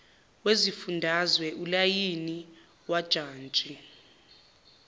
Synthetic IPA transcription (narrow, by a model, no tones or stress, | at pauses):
wezifundʱazwɛʔulajini | wad̥ʒ̥ʱaːnt͡ʃʼi